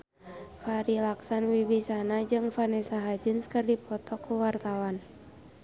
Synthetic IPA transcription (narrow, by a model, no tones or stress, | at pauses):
faɾilaksanwiwisanad͡ʒɨŋfanɛsaɦad͡ʒɨnskɨrdipʰɔt̪ɔkːuwart̪awan